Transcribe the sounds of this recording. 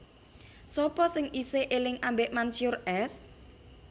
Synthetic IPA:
sɔpɔsɪŋʔiseʔelɪŋambeʔmansjʊrɛs

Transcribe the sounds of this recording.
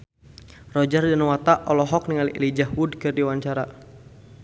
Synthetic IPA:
rɔd͡ʒardanwat̪aʔɔlɔɦɔk̚niŋaliʔilid͡ʒahwudkɨrdiwaɲt͡ʃaɾa

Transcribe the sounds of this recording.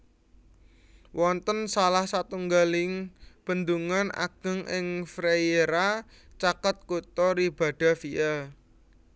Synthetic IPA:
wʔɔnt̪ənsalahsat̪uŋɡalɪŋb̥ənd̪uŋana̰ɡ̥ə̤ŋʔɪŋfɾejeɾa | t͡ʃakət̪̚kut̪ɔɾib̥a̤ɖ̥a̤fiʔɛ

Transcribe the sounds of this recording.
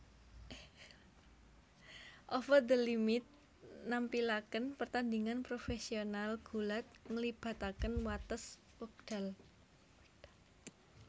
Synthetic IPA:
ʔɔfəd̪əlimɪt̪̚ | nampilakənpərt̪and̪iŋanpɾofesionalɡ̥ṳlat̪̚ŋəlib̥a̤t̪akənwat̪əs | uk̚d̥a̤l

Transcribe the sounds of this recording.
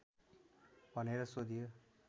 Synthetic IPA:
bʱʌneɾʌsod̪ijo

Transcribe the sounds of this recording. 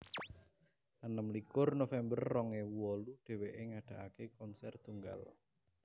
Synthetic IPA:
ənəmlikʊrnofɛmbərːɔŋewɔluɖ̥e̤weʔeŋaɖ̥a̤ʔakekɔnsɛrt̪uŋɡa̰l

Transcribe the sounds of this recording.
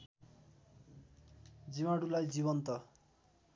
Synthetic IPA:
d͡zimaɽulajd͡ziβʌnt̪ʌ

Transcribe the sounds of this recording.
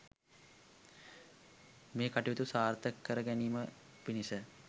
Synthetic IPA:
meːkaʈiʋit̪usaːɾt̪əkːəɾəɡæniːmə | pinisə

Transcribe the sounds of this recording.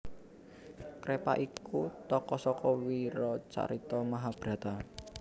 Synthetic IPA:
kɾepa̰ʔikut̪ɔkɔsɔkɔwiɾɔt͡ʃa̰ɾit̪ɔmaɦab̥ɾä̤t̪a

